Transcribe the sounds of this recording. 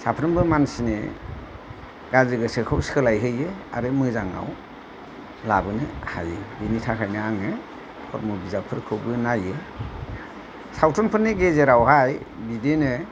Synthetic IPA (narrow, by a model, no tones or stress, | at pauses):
sapʰɾɯmbɯmansine | ɡ̥azɯɡɯsɯkʰɯwskʰɯlajɦɯjɯa̰ɾɯmɯzaŋa̰w | labɯnɯha̰jɯbinitʰakʰajnɯaŋɯ | kʰɔ̰ɾmɯbizapʰɯɾkʰɯwbɯnajɯ | sawtʰɔnpʰɯɾnːeɡezeɾawhaj | bidenɯ